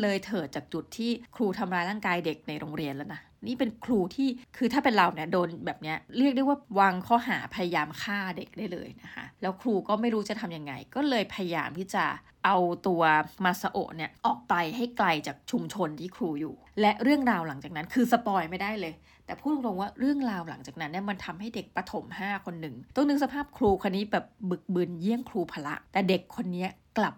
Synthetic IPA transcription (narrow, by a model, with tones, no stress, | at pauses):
lɤː˧jt̪ʰɤː˨˩t̪̚t͡ɕaː˨˩k̚t͡ɕu˨˩t̪ʰːiː˥˩kʰɾuː˧t̪ʰa˧mɾaː˧jlaː˥˩ŋkaː˧jde˨˩k̚na˧jɾoː˧ŋɾi˧ənlɛ˨˩na˦˥ | niː˥˩pe˧nkʰɾuː˧t̪ʰiː˥˩kʰɯː˧t̪ʰaː˥˩pe˧nɾa˧wni˥˩ɐdoː˧nbɛː˨˩p̚ni˦˥ɐʔɾi˥˩k̚da˥˩jwaː˥˩waː˧ŋkʰɔː˥˩ɦa̰ː˩˦pʰa˧ja˧jaː˧mkʰaː˥˩de˨˩k̚da˥˩jlɤ̰ː˧jna˦˥kʰa̰˦˥ʔlɛː˦˥wkʰɾuː˧kɔː˥˩ma˥˩jɾuː˦˥t͡ɕa˨˩t̪ʰa˧mja˧ŋːa̰˧jkɔː˥˩lɤː˧jpʰa˧ja˧jaː˧mt̪ʰiː˥˩t͡ɕa˨˩ | ʔa˧wt̪u˧ɐmaː˧sa˧ʔo̰˨˩k̚ni˦˥˩ɐʔɔː˨˩k̚pa˧jɦa˥˩jkla˧jt͡ɕaː˨˩k̚t͡ɕʰu˧mt͡ɕʰo˧nt̪ʰiː˥˩kʰɾuː˧juː˨˩lɛ˦˥ʔɾɯ˥˩əŋɾaː˧wla˩˦ŋt͡ɕa˨˩k̚na˦˥nkʰɯː˧sa˧pɔː˧jma˥˩jda˥˩jlɤː˧j | t̪ɛː˨˩pʰuː˥˩o˧ŋlo˧ŋwaː˥˩ɾɯ˥˩əŋɾaː˧wla̰˩˦ŋt͡ɕaː˨˩k̚na˦˥nːi˥ɐma˧nt̪ʰa˧mha˥˩jde˨˩k̚pɾa˧t̪ʰo˩˦mhaː˥˩kʰo˧nːɯ˨˩ŋt̪o˧˦nɯ˨˦ŋsa˧pʰaː˥˩p̚kʰɾuː˧kʰaː˧nːiː˦˥bɛː˨˩p̚bɯ˨˩k̚bɯ˧˩nji˥˩əŋkʰɾuː˧pʰaː˧la̰˦˥ʔt̪ɛː˨˩de˨˩kʰːo˧nːi˦˥ɐkla˨˩p̚